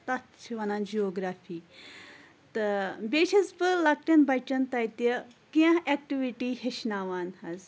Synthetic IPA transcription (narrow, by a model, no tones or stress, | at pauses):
t̪ɐt̪t͡ʃʰiʋɐnaːnd͡ʒioːɡɾaːfʰiː | t̪ɨbeːʃɐzbɨlɐk̚ʈɐnbʱɐt͡ʃɐnt̪ɐjt̪ɐ | kiãɦek̚ʈiʋiʈiɦeʃnaːʋaːnhɐz